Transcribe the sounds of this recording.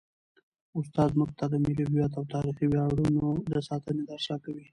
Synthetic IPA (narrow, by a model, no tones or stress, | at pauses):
ʊst̪ɑzmʊɡ̚t̪ad̪əmelobjat̪awt̪ɑɾixiwjɑɽunod̪əsɑt̪əned̪aɾʃɑkawi